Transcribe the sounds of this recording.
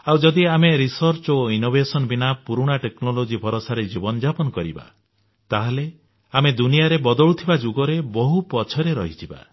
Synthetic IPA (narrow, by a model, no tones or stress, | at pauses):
awd͡ʒɔd̪iameɾisɔɾt͡ʃoinobʱesɔnbinapuɾuɽ̃aʈeknɔlod͡ʒibʱɔɾosaɾed͡ʒibɔnɔd͡ʒapɔnɔkɔɾḭba̰ | t̪aɦale | amed̪unijaɾebɔd̪ɔɭut̪ʰibad͡ʒuɡɔɾebɔɦupɔt͡ʃʰɔɾeɾɔ̰ɦit̪ʰiba̰